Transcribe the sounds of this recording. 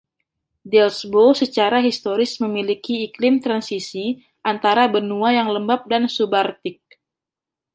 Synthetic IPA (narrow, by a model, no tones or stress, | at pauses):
dɛlsbosət͡ʃaɾaɦist̪oɾɪsməmilikiːklɪmt̪ɾansisi | ʔant̪aɾabənuajaŋləmbap̚dansubart̪ɪk̚